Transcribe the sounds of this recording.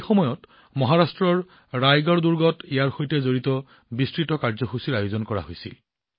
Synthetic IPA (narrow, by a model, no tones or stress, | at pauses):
xɔmɔjɔt | mɔɦaɹastɹɔɹː | ajɡɔɹduɹɡɔtijaɹxojtɛzoɹitɔ | bistɹitɔkaɹzɔxusiɹajozɔnkɔɹa̰ɦojsḭl